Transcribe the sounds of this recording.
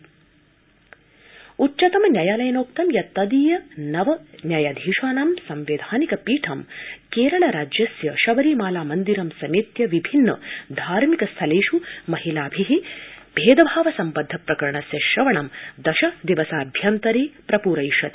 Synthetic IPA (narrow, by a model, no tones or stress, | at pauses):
utːt͡ʃɐt̪ɐmnʲjaːjaːlɐjɐnoːk̚t̪ɐmjɐt̪ːɐd̪iːjɐnɐʋɐnʲjaːjad̪ʱiːʃaːnɐmsɐmʋeːd̪ʱaːnikɐpiːʈʰɐmkeːɾɐɳɐɾaːd͡ʒjɐsjɐʃɐʋɐɾiːmaːlaːmɐnd̪iɾɐmsɐmeːt̪jɐʋibʱinːɐ̰d̪ʱaːɾmikɐst̪ʰɐleːʃumɐɦilaːbʱiɦib̥ʱeːd̪ɐbʱaːʋɐsɐmpɐd̪ʱːɐpɾɐkɐɾɐɳɐsjɐʃɾɐʋɐɳɐmd̪ɐʃɐd̪iʋɐsaːbʱjɐnt̪ɐɾiːpɾɐpuːɾɐjʃɐt̪i̥